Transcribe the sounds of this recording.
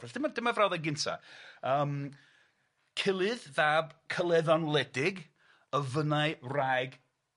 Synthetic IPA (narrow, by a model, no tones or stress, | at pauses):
ɛsd̥ɪmadɪmavrawðɛɡɪntʰa̰əːm | kʰɪlˠɨððaːbkʰəlˠɛðɔnlˠɛdɪɡ | əvənaɨrajɡ